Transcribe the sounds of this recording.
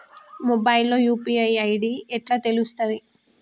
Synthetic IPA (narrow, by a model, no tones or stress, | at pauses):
mobɐjlːo̞ːjuːpiɐjɐjɖiɛʈlaːt̪e̞lust̪ɐd̪i